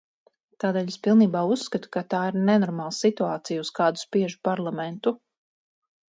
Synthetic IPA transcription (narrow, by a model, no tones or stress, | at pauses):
t̪aːd̪eːʎespilˠniːbaːusːkat̪u̥kat̪aːiɾnɛnɔɾmaːlˠsit̪uaːt̪sijuskaːd̪uspiɛʒupaɾlˠamɛnt̪u